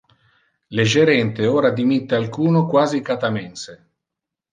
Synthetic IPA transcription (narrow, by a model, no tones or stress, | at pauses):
leʒeɾɛnt̪eoːɾad̪imit̪ːealkuːnokwaːzikat̪amɛnse